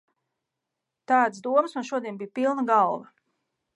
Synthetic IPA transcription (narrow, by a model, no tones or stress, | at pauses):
t̪aːd̪sd̪uɔmsmanʃuɔd̪ʲiɛnbijpilˠnaɡalˠvɐ